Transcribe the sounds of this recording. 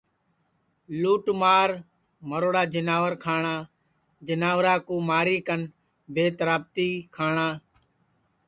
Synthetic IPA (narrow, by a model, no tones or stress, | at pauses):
luːʈmaːɾ | məɾoːɽaːd͡ʒənaːʋəɾkʰaːɳaː | d͡ʒɪnaːʋɾaːkuːmaːɾiːkən | bʱeːt̪ɾaːb̚t̪iːkʰaːɳaː